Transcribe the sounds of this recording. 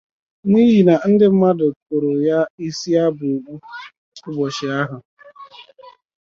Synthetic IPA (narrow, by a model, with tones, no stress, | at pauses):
n˦i˦ɦi˨na˨n̩˦dɪ˦m̩˦ma˦dʊ˨ko˨ɾo˨ja˦i˦si˦a˦bʊ˨o˨k͡pu˦ | ʊ˦bɔ˨ʃɪ˨a˦ɦʊ˨